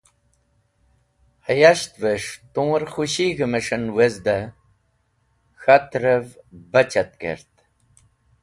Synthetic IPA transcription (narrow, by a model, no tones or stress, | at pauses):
hɐjaɕt̪veʂt̪ũːɾxuɕiɣəmeʂɐnwezd̪ɐ | xat̪ɾəvbɐt͡ɕɐt̪̚kḛɾt̪